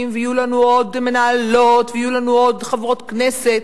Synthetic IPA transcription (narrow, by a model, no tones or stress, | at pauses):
mveijulanuodme̞naːlo̞tveijulanuodχavʁo̞t̪kneset̪